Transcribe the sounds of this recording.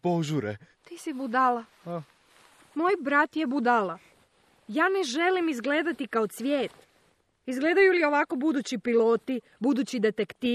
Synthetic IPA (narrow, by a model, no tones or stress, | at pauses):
poʒuɾet̪iːsibud̪ala | a | moːjbɾat̪jebud̪ala | jaːneʒe̞limizɡle̞ːd̪at̪ikaot̪sʋje̞ːt̪ | izɡle̞ːd̪ajulio̞ʋako̞bud̪uːt͡ɕipilo̞ːt̪i | bud̪uːt͡ɕid̪e̞t̪ekt̪i